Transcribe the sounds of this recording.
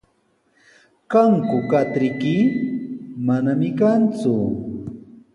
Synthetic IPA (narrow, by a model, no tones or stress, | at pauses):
kaŋkʊkat̪ɾɪkɪ | manamɪkant͡sʊ